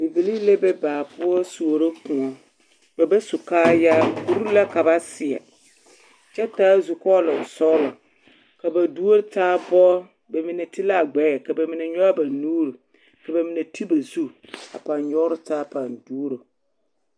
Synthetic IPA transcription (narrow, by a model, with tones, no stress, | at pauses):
be˨bi˨li˦le˦bɛ˦baː˨pʊ˦ɔ˦su˨o˨ɾo˦kʊ̃˨ɔ˨ | ba˨ba˦su˨kaː˦jaː˦ku˨ɾu˦la˦ka˨ba˦sɪ˨ɛ̰˨ | t͡ʃɛ˦taː˦zu˨kɔ˦la˨ʊ˨sɔ˦lɔ˨ | ka˨ba˨du˦o˦ɾtaː˦bɔ˦ | ba˨mɪ˨nɛ˨tɪ˦la˦˨ɡ͡bɛ˨˦˨ka˨ba˨mɪ˨nɛ˨ɲɔ˦a˦ba˨nuː˦ɾu˨ | ka˨ba˨mɪ˨nɛ˨tʰi˦ba˨zu˦a̰˨pa˨nɲɔ˦ɾʊ˦taː˦pa˨ndu˦ɾo˨